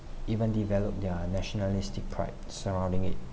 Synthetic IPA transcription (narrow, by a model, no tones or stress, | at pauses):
ivə̃ndivɛlɔp̚dənɛʃɔnalistɪk̚pʰɹa̰ɪp̚səɹãw̃ndɪ̃ŋɪt̚